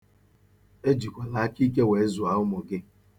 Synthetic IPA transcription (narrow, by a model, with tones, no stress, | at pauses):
e˦d͡ʒi˨kʷɔ˨la˨˦a˦ki˦k̬e˦we˨˦zʊ˨a˨ʊ˦mo˨ɡɪ˦